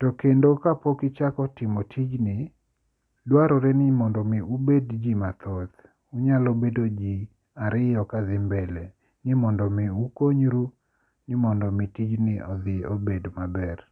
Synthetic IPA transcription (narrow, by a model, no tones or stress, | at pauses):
tɔkendokapɔkɪt͡ʃakɔtɪmotʰid͡ʒnɪ | dwaɾɔɾɛnɪmɔndɔmɪubedd͡ʒimat̪ɔt̪ | uɲalobedod͡ʒi | aɾɪjɔkaðɪmbɛlɛ | nɪmɔndɔmiukoɲɾu | nɪmɔndɔmitid͡ʒnɪɔd̪ɪobedmabɛr